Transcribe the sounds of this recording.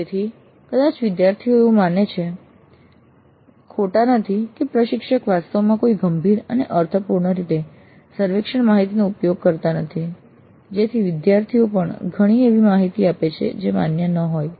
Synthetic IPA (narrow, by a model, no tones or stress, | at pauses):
d͡ʒet̪ʰi | kəd̪at͡ʃʋɪd̪jaɾt̪ʰioeũmanet͡ʃʰe | kʰoʈanət̪ʰikepɾəʃɪkʃəkʋast̪əʋomãkoiɡəmbʱiɾəneʔəɾt̪ʰəpuɾɳəɾit̪e | səɾʋekʃəɳmaɦit̪̬inoupjoɡ̚kəɾt̪anət̪ʰi | d͡ʒet̪ʰiʋɪd̪jaɾt̪ʰiopəɳɡʱəɽ̃ieʋimaɦit̪iapet͡ʃʰḛd͡ʒema̰njənəɦoj